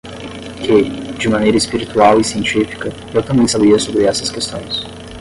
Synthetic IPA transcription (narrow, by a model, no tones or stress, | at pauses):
kɪd͡ʒɪmɐ̃nejɾɐɪspiɾit̪uawɪsiẽnt͡ʃifi̥kɐ | ewt̪ɐ̃mbẽj̃sabiɐsobɾɪɛsɐskest̪õ̰j̃s